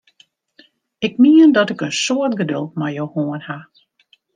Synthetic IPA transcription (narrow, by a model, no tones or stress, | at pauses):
ɪk̚miəndɔtɪkənsoətɡədølˠt̚majohoənha